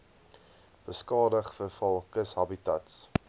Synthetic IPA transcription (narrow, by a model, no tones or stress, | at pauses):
b̥əskɑːdəχfərfɐlˠkəsɦɐbitɐts